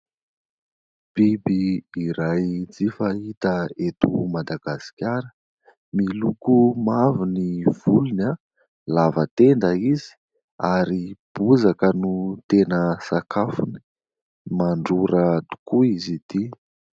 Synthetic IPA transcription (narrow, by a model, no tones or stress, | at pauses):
b̥ibiːɾajd͡zifaɦit̪əet̪umad̪aɡ̥asi̥kʲaɾə | milukumaviniv̥uluna | lavət̪end̪əizi̥ | aɾib̥uzakənut̪enəsakʰafuni̥ | maɳɖ͡ʐuɾət̪u̥kuizid̪i